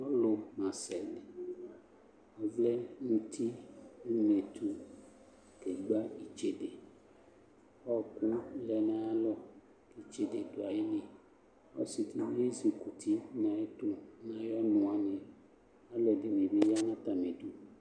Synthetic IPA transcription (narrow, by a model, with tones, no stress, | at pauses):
ɔ˦lo˨mã˨sɛ˨l | ɔ˦vlɛ˦nũ˦t̪ʰi˦i˦me˨t̪u˨ | ke˨ɡ͡ba˦i˨t͡ʃe˨de˨ | ɔ˦˨ku˦lɛ˨nã˨˦a˦lɔ˦ | ke˨t͡ʃe˨de˨do˨a˨je˦nẽ˨ | ɔ̰˦si˨t̪i˦m˦e˦zi˨ku˨t̪ʰi˦nã˨e˦to˦nã˨jɔ˦nũ˨a˨nẽ˨ | a˦lɔ˨de˨mẽ˨be˦ja˦nã˦t̪a˨me˨t̪u˨